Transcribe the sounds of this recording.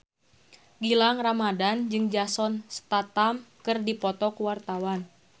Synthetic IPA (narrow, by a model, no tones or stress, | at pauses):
ɡilaŋramadand͡ʒɨŋd͡ʒasɔnst̪at̪amkɨrdipɔt̪ɔkuwart̪awan